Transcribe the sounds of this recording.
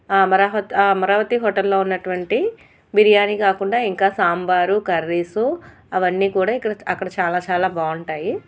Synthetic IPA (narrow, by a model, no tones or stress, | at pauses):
aːɐmɐɾaːʋɐt̪aɐmɐɾaːʋɐt̪iɦɔːʈɐlːo̞ːunːɐʈuʋɐɳʈi | biɾijaːnikaːkuɳɖaːiŋkaːsaːmbaːɾukɐɾːiːsu | ɐʋɐnːiːkuːɽaːikːɐɽɐɐkːɐɽɐt͡ʃaːlaːt͡ʃaːlaːbaːuɳʈaːji